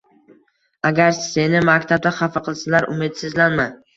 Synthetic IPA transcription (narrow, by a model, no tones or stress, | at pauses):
aɡʲaɾse̞nɪmakʲt̪ʰab̚d̪aχafaqʰɨlˠsalaɾʊ̰mɪd̪sɪzlanma